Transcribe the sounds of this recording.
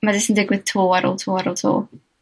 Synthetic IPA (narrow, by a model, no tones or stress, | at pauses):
madɪsəndɪɡwɪð̥tʰuːaɾʊ̰lˠtʰuːaɾʊlˠtʰṵː